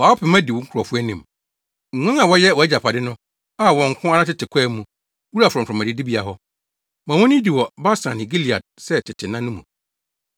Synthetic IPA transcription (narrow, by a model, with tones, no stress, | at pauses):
wa˨˦ɔ˦pʰɪ˨mã˦di˨wʊ̃˦ŋ̩˦kʰɔ˨fʊ˦æ˦nĩ˨m | ŋ̩˨ŋʷã˦ã˨wɔ˦jɛ˦wɔ˨ɛ˦d͡ʑa˨pʰa˨dɪ˦nʊ̃˦ | a˦wɔ̃˨ŋ̩˨kʷʰʊ̃˦a˦ɾa˦tɪ˦tʰɪ˨kʷʰɛː˦mũ˨ | wu˦ɾa˨fɔ˨fʰᶣɾɔ̃˨mã˨dɪ˦di˦bi˦a˨ɦɔ˦ | mã˨wɔ̃˦n˦ĩ˦di˨wɔ˨ba˦sã˨ĩ˨ɡi˦li˨a̰˨d̚sɛ˦tʰɪ˨tʰɪ˨nã˦nʊ̃˦mũ˨